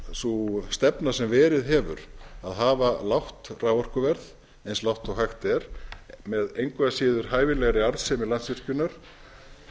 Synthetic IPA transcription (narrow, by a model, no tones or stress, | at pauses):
sust̪ɛpnḁsɛmvɛːɾɪðɦɛːvʏ̰ɾaðɦaːvalawht̪raːwvɔr̥kʏvɛɾð | ejnslawht̪ɔɦajxt̪ɛɾ̥mɛðejŋkvɛasɪːðʏɾ̥ɦaːjvɪlɛɣɾɪaɾðsɛːmɪlansvɪr̥cʏnaɾ̥